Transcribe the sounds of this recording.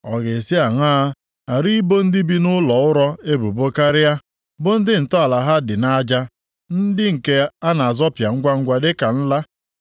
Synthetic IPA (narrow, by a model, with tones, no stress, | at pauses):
ɔ˨ɣe˨si˦a˨ŋ˦aː˦ | a˨ɾi˦bo˦n̩˦dɪ˦bi˦nʊ˦lɔ˨ʊ˦ɾɔ˦e˦bu˨bo˦ka˦ɾɪ˦ja˦ | bʊ˦n̩˦dɪ˦n̩˨tɔ˦a˨la˨ɦa˦dɪ˨na˦d͡ʒa˦ | n̩˦dɪ˦ŋ̩˨ke˦a˦na˨a˨zɔ˦pja˨ŋ̩˦ɡʷa˦ŋ̩˦ɡʷa˦dɪ˦ka˨n̩˦la˦